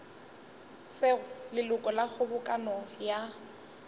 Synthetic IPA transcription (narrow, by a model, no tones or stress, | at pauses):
sɪʊlɪlʊkʼɔlak͡xʊbʊkʼanɔja